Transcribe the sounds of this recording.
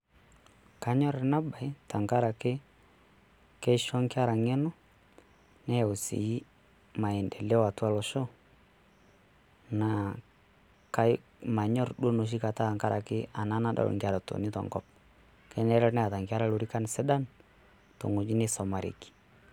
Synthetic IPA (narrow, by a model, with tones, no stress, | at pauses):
ka˦ɲɔ˦ɾɛ˨na˦ba˨jta˨ŋka˦ɾa˨kɪ˦ | kɛ˦ʃɔ˦ŋkɪ˦a˦ɾa˨ŋɛ˦nɔ˦ | nɛ˦˨o˨sḭ˨i˦ | ma˨ɛ˨ndɛ˨lɛ˦wa˨twa˦lɔ˨ʃɔ˦ | na˨ | ka˦ | ma˨ɲɔ˦ɾɗo˦no˨ʃ̬i˦ka˨ta˦˨ŋka˦ɾa˨kɪ˦a˨na˦na˦ɗa̰˨l̰ŋka˨ɾa˨to̰˨ni˦tɔ̰˨ŋɡɔ˦p̚ | kɛ˦nɛ˦ɾɛ˦nɛ˦a˨ta˨ŋka˦ɾa˦lo˨ɾi˦ka˦n˨sɛ˦da˦n | to̰˨ŋo˨d͡ʒi˦nɪ˦sɔ˨ma˨ɾḭ˨ki̥˨